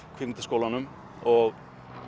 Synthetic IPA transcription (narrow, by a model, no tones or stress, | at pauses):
kʰvɪmt̪ɪskoːwlanʏm | ɔɣ